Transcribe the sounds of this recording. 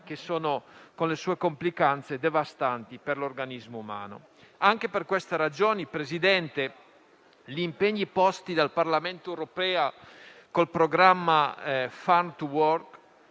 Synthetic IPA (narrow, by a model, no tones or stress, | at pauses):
kesoːnokonlesuːekomplikant̪sed̪evast̪ant̪iperlorɡanizmouma̰ːno̰ | aŋkeperkwest̪eɾad͡ʒoːnipɾezid̪ɛnt̪e | ʎimpeɲːipɔst̪id̪alparlament̪oewɾopɛːakolpɾoɡɾamːafant̪wɔrk